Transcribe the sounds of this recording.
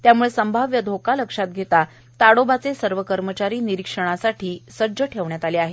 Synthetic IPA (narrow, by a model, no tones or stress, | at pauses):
t̪jamuɭesəmbʱaʋjəd̪ʱokaləkʂat̪̚ɡʱet̪a | t̪aɽobat͡sesəɾʋəkəɾmət͡ɕaɾiːniɾikʂəɽ̃asaʈʰiːsəd͡zəʈʰeʋɳjat̪aleaɦe